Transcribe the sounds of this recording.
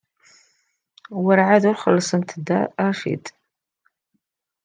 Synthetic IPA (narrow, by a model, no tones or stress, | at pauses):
wəɾʕad̪urχəlːɨsɨmt̪ʰd̪a̰aʂḭtʼ